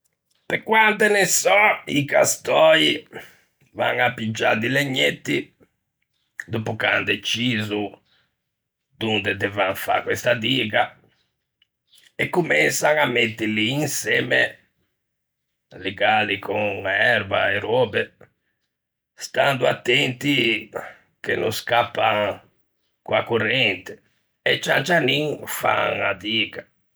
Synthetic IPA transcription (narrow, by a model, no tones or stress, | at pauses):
pekːwant̪enesɔika̰st̪ɔji | va̰ŋapːid͡ʒːa̰d̪ileɲːet̪ːi | d̪opuka̰nd̪ɛt͡ʃːiːzu | d̪̥und̪ed̪ɛvaŋfa̰kːwɛst̪ad̪iːɡa | ɛkːumɛnsaŋamːɛt̪ːɪliːnsɛːme | leɡalikoŋɛɾbaeɾɔbe | st̪and̪uat̪ːɛnt̪i | kḛnʔo̰skapːaŋ | kuakurɛnt̪e̥ | ɛt͡ʃːant͡ʃaniŋfa̰ŋa̰d̪iːɡa